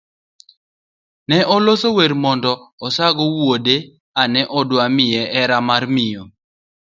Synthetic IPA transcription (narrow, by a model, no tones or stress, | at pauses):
nɛʔɔlosoweɾmɔndɔɔsaɡɔwode | anɛʔɔdwamɪjɛʔɛɾamarmɪjo